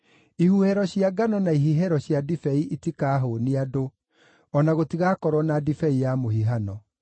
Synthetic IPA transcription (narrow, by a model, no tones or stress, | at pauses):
ihuhɛɾɔɕiaɡanɔnaiɦiɦɛɾɔɕjadifɛiʔitikaːɦoːniado | ɔnaɣotiɣakɔɾwɔnadifɛijamohiɦanɔ